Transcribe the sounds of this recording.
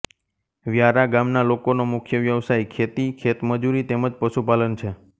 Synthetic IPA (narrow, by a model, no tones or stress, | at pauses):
ʋjaɾaɡamnalokonomʊkʰjəʋjəʋsajkʰet̪ikʰet̪məd͡ʒuɾit̪eməd͡ʒpəʃupalənt͡ʃʰe